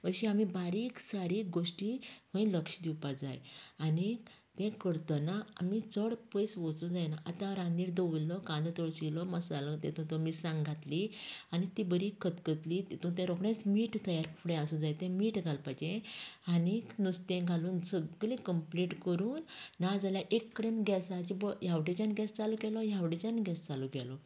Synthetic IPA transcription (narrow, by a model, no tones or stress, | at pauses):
ʋəɕiamibaɾiksaɾiːɡoʂʈiʋə̃jləkʂd̪iwpad͡za̰jani | t̪ɛ̃kəɾt̪ənaa̰mit͡səɽpəjsʋɔt͡sũd͡zajnaʔat̪ãɾaniːɾd̪əʋlɔkãnd̪ət̪ɔɭɕilɔməsalət̪ɛ̰̃t̪ũt̪ɔmisãŋɡʱat̪lianit̪ibəɾikət̪kət̪lit̪ũt̪ẽɾɔkɳẽt͡smiːʈt̪əjaɾfɽẽasũd͡zajt̪ɛ̃miːʈɡʱalpajd͡ʑẽaninust̪ẽɡʱaluːnd͡zəɡlĩkəmpliʈkəɾuːnːad͡zaljaʔekːəɽenɡɛsat͡ɕibɔjaʋɽet͡ɕanɡɛst͡salɔɡɛlɔjaʋɽet͡ɕanɡɛst͡saluɡɛlɔ